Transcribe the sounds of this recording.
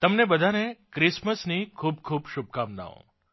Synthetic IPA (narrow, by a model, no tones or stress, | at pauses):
t̪əmnebəd̪ʱanekɾɪsməsnikʰuːb̚kʰuːbʃʊb̚kamna̰õ̰